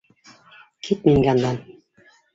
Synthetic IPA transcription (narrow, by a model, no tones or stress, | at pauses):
kʰit̪̚miŋɡænd̪ɑn